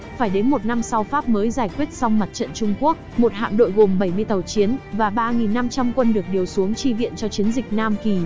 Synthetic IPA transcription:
faː˧˩jɗe˨˦nmo˨˩t̚na˧msa˧wfaː˦˥p̚məː˨˦jzaː˧˩jkwi˦˥ət̚sa˧wŋ͡mma˨˩t̚t͡ɕə̰˧˨nt͡ɕʊ˧ŋ͡mku˦˥ək̚mo˨˩t̚ha̰ː˧˨nɗo̰˧˨jɣo˨˩mɓə˧˩jmɨ˧əjt̪ə˨˩wt͡ɕi˨˦ənvaː˨˩ɓaː˧ŋi˨˩nːa˧mt͡ɕa˧mkwə˧nɗɨ˨˩ək̚ɗi˨˩əwsu˨˦əŋt͡ɕi˧vḭ˧˨ənt͡ɕɔ˧t͡ɕi˨˦ənzï˨˩k̟̚naː˧mki˨˩

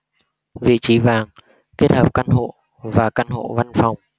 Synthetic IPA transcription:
vḭ˧˨t͡ɕi˨˦vaː˨˩ŋ | ke˦˥ət̚həː˨˩p̚ka˧nɦo̰˧˨ | vaː˨˩ka˧nho̰˧˨va˧nfa˨˩wŋ͡m

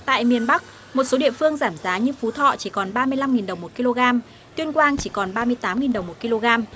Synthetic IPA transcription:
t̪a̰ː˧˨jmi˨˧˩ənɓa˦˥k̚ | mo˨˩t̚so˨˦ɗḭ˧˨əfɨ˧əŋzaː˧˩mzaː˨˦ɲɨ˧fu˨˦t̪ʰɔ̰˧˨t͡ɕi˧˩kɔ˨˩nɓaː˧mɨ˧əjla˧mŋi˨˩nɗə˨˩wŋ͡mmo˨˩t̚ki˧lo˧ɣaː˧m | t̪wi˧ənkwaː˧nt͡ɕi˧˩kɔ˨˩nɓaː˧mɨ˧əjt̪aː˨˦mŋi˨˩nɗə˨˩wŋ͡mmo˨˩t̚ki˧lo˧ɣaː˧m

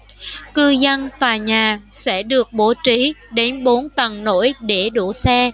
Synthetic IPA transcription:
kɨ˧zə˧nt̪waː˨˩ɲaː˨˩sɛ̰˧˥ɗɨ˨˩ək̚ɓo˨˦t͡ɕi˨˦ɗe˨˦nɓo˨˦nt̪ə˨˩nno̰˧˥˨jɗe˧˩ɗu˧˩sɛ˧

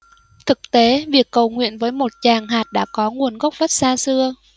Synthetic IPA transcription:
t̪ʰɨ˨˩k̚t̪e˨˦vi˨˩əkːə˨˩wŋwḭ˧˨ənvəː˨˦jmo˨˩t̚t͡ɕaː˨˩ŋɦaː˨˩t̚ɗa̰ː˧˥˩kɔ˨˦ŋu˨˩ənɣə˦˥wk͡p̚və˦˥t̚saː˧sɨ˧ə

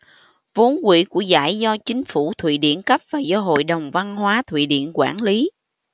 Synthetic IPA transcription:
vo˨˦nkwḭ˧˥ku˧˩əza̰ː˧˩jzɔ˧t͡ɕï˨˦ŋ̟fu˧˩t̪ʰwḭ˧˨ɗḭ˧˨ənkə˦˥p̚vaː˨˩zɔ˧ɦo̰˧˨jɗə˨˩wŋ͡mva˧nɦwaː˨˦t̪ʰwḭ˧˨ɗḭ˧˨ənkwaː˧˩nli˨˦

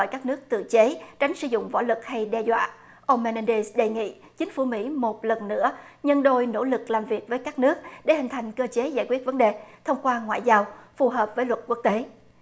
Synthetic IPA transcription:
jkaː˦˥k̚nɨ˦˥ək̚t̪ɨ̰˧˨t͡ɕe˨˦t͡ɕa˨˦jŋ̟sɨ̰˧˦zʊ̰˧˨ŋ͡mvɔ̰˧˥lɨ˨˩k̚ha˧jɗɛ˧zwa̰ː˧˨ | ʔə˧wŋ͡mmɛ˧nɛ˧nɗe˧sɗe˨˩jŋḭ˧˨ | t͡ɕi˨˦ŋ̟fu˧˩mḭ˧˥mo˨˩t̚lə˨˩nːɨ̰˧˥ə | ɲə˧nɗo˧jno̰˧˥lɨ˨˩k̚laː˨˩mvi˨˩ək̚vəː˨˦jkaː˦˥k̚nɨ˦˥ək̚ɗe˧˩hï˨˩ŋ̟t̪ʰa˨˩jŋ̟kəː˧t͡ɕe˨˦zaː˧˩jkwət̚və˨˦nɗe˨˩t̪ʰə˧wŋ͡mkwaː˧ŋwa̰ː˧˨jzaː˧wfu˨˩ɦəː˨˩p̚vəː˨˦jlwə˨˩t̚ku˦˥ək̚t̪e˨˦

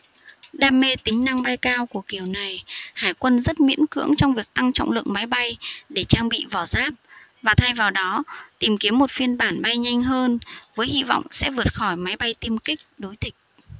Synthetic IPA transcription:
ɗaː˧mːe˧t̪ï˨˦ŋ̟na˧ŋɓa˧jkaː˧wku˧˩əki˨˩əwna˨˩jhaː˧˩jkwə˧nzə˦˥t̚mḭ˧˥ənkɨ̰˧˥əŋt͡ɕɔ˧ŋ͡mvi˨˩ək̚t̪a˧ŋt͡ɕɔ̰˧˨wŋ͡mlɨ̰˧˨əŋma˨˦jɓa˧jɗe˧˩t͡ɕaː˧ŋɓḭ˧˨vɔ˧˩zaː˦˥p̚ | vaː˨˩t̪ʰa˧jvaː˨˩wɗɔ˨˦t̪i˨˩mki˨˦əmːo˨˩t̚fi˧ənɓaː˧˩nɓa˧jɲa˧jŋ̟ɦəː˧nvəː˨˦jhḭ˧˨vɔ̰˧˨wŋ͡msɛ̰˧˥vɨ˨˩ət̚xɔ˧˩jma˨˦jɓa˧jt̪i˧əmkï˦˥k̟̚ɗo˨˦jt̪ʰï˨˩k̟̚

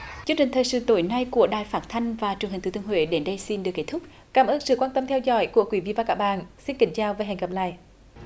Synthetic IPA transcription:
t͡ɕɨ˧əŋt͡ɕï˨˩ŋ̟t̪ʰəː˨˩jsɨ̰˧˩t̪o˧˨˦jna˧jku˧˩əɗaː˨˩jfaː˦˥t̚t̪ʰa˧jŋ̟vaː˨˩t͡ɕŋɦi˨˩ŋ̟t̪ɨː˧˩t̪əŋhwḛ˧˦ɗe˨˦nɗə˧jsi˧nɗɨ˨˩kːe˦˥t̪ʰʊ˦˥k͡p̚ | kaː˧˩mʔəː˧nsɨ̰˧˨kwaː˧nt̪ə˧mt̪ʰɛ˧wzɔ̰˧˥jku˧˩əkwi˧˦vi˧˨vaː˨˩kaː˦˥k̚ɓaː˧˨nsi˧nkï˧˨˦ŋ̟t͡ɕaː˧wve˨˩ɦɛ̰˨˧˩ŋkə˨˩p̚la̰ː˧˨j

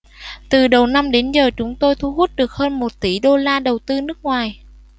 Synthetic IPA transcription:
t̪ɨ˨˩ɗə˨˩wna˧mɗe˨˦nzəː˨˩t͡ɕʊ˨˦ŋ͡mt̪o˧jt̪ʰu˧ɦu˦˥t̚ɗɨ˨˩ək̚həː˧nmo˨˩t̚t̪i˧˩ɗo˧laː˧ɗə˨˩wt̪ɨ˧nɨ˦˥ək̚ŋwaː˨˩j

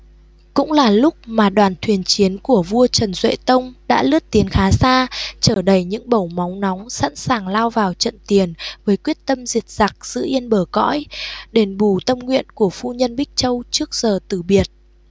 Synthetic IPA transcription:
kʊ̰˧˥ŋ͡mlaː˨˩lʊ˦˥k͡p̚maː˨˩ɗwaː˨˩nt̪ʰwi˨˩ənt͡ɕi˨˦ənku˧˩əvu˧ət͡ɕə˨˩nzwḛ˧˨t̪ə˧wŋ͡mɗa̰ː˧˥lɨ˦˥ət̚t̪i˨˦ənxaː˨˦saː˧t͡ɕəː˧˩ɗə˨˩jɲɨ̰˧˥ŋɓə˧˩wmɔ˨˦wŋ͡mnɔ˨˦wŋ͡msa̰˧˥nsaː˨˩ŋlaː˧wvaː˨˩wt͡ɕə̰˧˨nt̪i˨˩ənvəː˨˦jkwi˦˥ət̚t̪ə˧mzi˨˩t̚z̥a˨˩k̚z̥ɨ̰˧˥ʔi˧ənɓəː˧˩kɔ̰˧˥jɗe˨˩nɓu˧˩t̪ə˧mŋwḭ˧˨ənku˧˩əfu˧ɲə˧nɓï˦˥k̟̚t͡ɕə˧wt͡ɕɨ˦˥ək̚z̥əː˨˩t̪ɨ˧˨˩ɓi˨˩ət̚

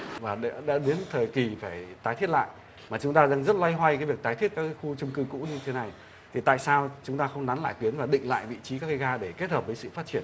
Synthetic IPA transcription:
vaː˨˩ɗa̰˧˥ɗa̰ː˧˥ɗe˨˦nt̪ʰəː˨˩jki˨˩faː˧˩jt̪aː˨˦jt̪ʰi˦˥ət̚la̰ː˧˨j | maː˨˩t͡ɕʊ˨˦ŋ͡mt̪aː˧zaː˧ŋzə˦˥t̚la˧jɦwa˧jka˨˦jvi˨˩ək̚t̪aː˨jt̪ʰi˦˥ət̚kaː˦˥ka˨˦xu˧t͡ɕʊ˧ŋ͡mkɨ˧kṵ˧˥ɲɨ˧t̪ʰe˨˦na˨˩j | t̪ʰi˨˩t̪a̰ː˧˨jsaː˧wt͡ɕʊ˨˦ŋ͡mt̪aː˧xə˧wŋ͡mna˨˦nla̰ː˧˨jt̪wi˨˦nvaː˨˩ɗḭ̈˧˨ŋ̟la̰ː˧˨jvḭ˧˨t͡ɕi˨˦ka˦˥kːa˨˦ɣaː˧ɗe˧˩ke˦˥t̚həː˨˩p̚vəː˨˦sɨ̰˧˨faː˦˥t̚t͡ɕi˧˩ən

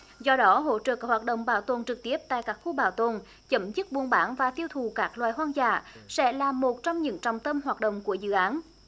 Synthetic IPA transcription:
zɔ˧ɗɔ˨˦ɦo̰˧˥t͡ɕə̰ː˧˨kaː˦˥hwaː˨˩t̚ɗə̰˧˨wŋ͡mɓaː˧˩wt̪o˨˩nt͡ɕɨ˨˩k̚t̪i˦˥əp̚t̪a̰ː˧˨jkaː˦˥k̚xu˧ɓaː˧˩wt̪o˨˩n | t͡ɕə˨˦mzɨ˦˥t̚ɓu˧ənɓaː˧˩˦nvaː˨˩t̪i˧əwt̪ʰu˨˩kaː˦˥k̚lwaː˨jɦwaː˧nza̰ː˧˨sɛ̰˧˥laː˨˩mo˨˩t̚t͡ɕɔ˧wmɲɨ̰˧˥ŋt͡ɕɔ˨˩wŋ͡mt̪ə˧mɦwaː˨˩t̚ɗə̰˧˨wŋ͡mku˧˩əzɨ̰˧˨ʔaː˨˦n

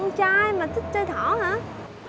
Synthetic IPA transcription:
ŋt͡ɕaː˧jmaː˨˩t̪ʰi˦˥k̚t͡ɕəː˧jt̪ʰɔ˧˩˦ɦaː˧˥

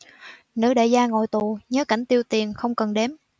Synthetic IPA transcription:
nɨ̰˧˥ɗe˧˩zaː˧ŋo˨˩jt̪u˨˩ɲəː˨˦ka˧˩jŋ̟t̪i˧əwt̪i˨˩ənxə˧wŋ͡mkə˨˩nɗɛ˨˦m

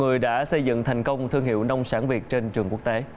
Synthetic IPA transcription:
ŋɨ˨˩əjɗa̰ː˧˥sə˧jzɨ̰˧˨ŋt̪ʰa˨˩jŋ̟kə˧wŋ͡mt̪ʰɨ˧ŋɦḭ˧˨əwna˧wŋ͡msaː˧˥nvi˨˩ət̚t͡ɕe˧nt͡ɕɨ˨˩ŋku˦˥ək̚t̪e˨˦

